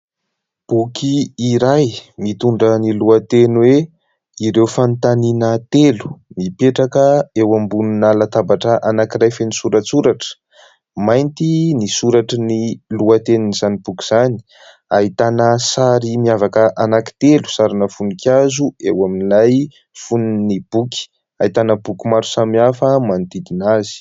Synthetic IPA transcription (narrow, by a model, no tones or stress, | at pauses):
b̥ukʰiːɾajmit̪uɳɖ͡ʐəniluat̪enwe | iɾewfant̪aninət̪elu̥mipeʈ͡ʂakəewambununalat̪abaʈ͡ʂəʔanakiɾajfenisuɾat͡suɾaʈ͡ʂə̥ | majnt̪inisuɾaʈ͡ʂəniluat̪eninizanib̥uki̥z̥ani̥ | aɦit̪anəsaɾimiavakəʔanaki̥t̪elu̥saɾinəfunikʲjazuewaminlaj | funnib̥uki̥ | ait̪anəbukimaɾu̥samiafəmand̪id̪inazi̥